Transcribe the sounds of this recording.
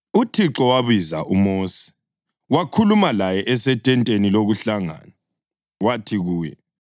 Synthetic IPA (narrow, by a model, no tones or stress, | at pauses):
utʰiǁɔwaβiza̰ʔumoːsi̥ | wakʰulumalajɛʔɛsɛtʼɛntʼeniloɣuɬaŋa̰ːna | watʰiɣuːjɛ̰